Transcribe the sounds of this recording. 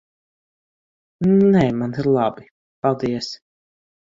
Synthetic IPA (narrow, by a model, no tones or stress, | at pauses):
nnɛːmaniɾlˠabi | palˠd̪iɛs